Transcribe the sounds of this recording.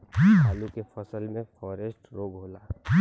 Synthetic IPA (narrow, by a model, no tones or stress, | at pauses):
aːlukefʰɐsəlmẽfʰɔːɾesʈɾoːɡɦoːlaː